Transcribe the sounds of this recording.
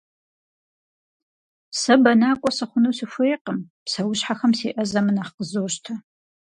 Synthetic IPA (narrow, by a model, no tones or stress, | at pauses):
sɐbɐnaːkʷʼɔsɐχʷʊnɐwsɨfʷejːqəmpsɐwʊɕħaxɐmsḛːʔɐzɐmɨnaːχqəzoːɕtʰɐ